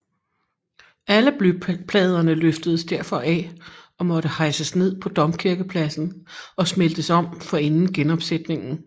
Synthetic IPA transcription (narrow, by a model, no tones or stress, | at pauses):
æləb̥lypʰlɛːð̞ˠɐnəløfd̥əðˠsd̥æɐ̰fɒ̽ʔɛ | ɒ̽mɒ̽ɾəhɑ̈ɪsəsne̝ð̞̰ˠpʰɒ̽d̥ɒ̽mkʰiɐɡ̥əpʰlæsn̩ɒ̽smel̰d̥əsɒ̽m̰fɒ̽e̝nn̩ɡ̥enɒ̽b̥sed̥ne̝ŋn̩